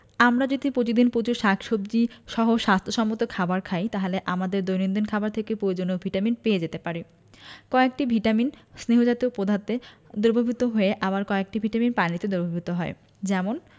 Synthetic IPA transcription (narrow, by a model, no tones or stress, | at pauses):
amɾad͡ʑod̪ʱipɾot̪id̪inpot͡ɕuɾʃakʰʃobd͡ʑiʃɔɦoʃast̪ʰoʃɔmːot̪okʰabaɾkʰajt̪aɦeleʔamad̪eɾd̪ojnind̪inkʰabaɾt̪ʰekepɾojod͡ʑonobʱiʈaminpeed͡ʑet̪epaɾi | kɔek̚ʈibʱiʈaminsneɦod͡ʑat̪iopod̪ʱat̪ed̪oɾbʱobʱit̪oɦoeʔaβaɾkɔek̚ʈibʱiʈaminpanit̪ed̪oɾbʱobʱit̪oɦɔe | d͡ʑɛmon